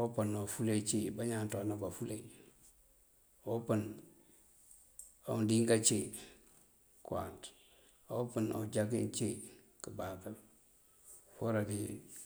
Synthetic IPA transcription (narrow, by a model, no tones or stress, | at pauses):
opənofulet͡ʃebaɲantonabafule | opən | andiŋɡat͡ʃe | kwa̰nt | opəno̰d͡ʒaɡ̬ḭnt͡ʃe | kəbaka | foɾadi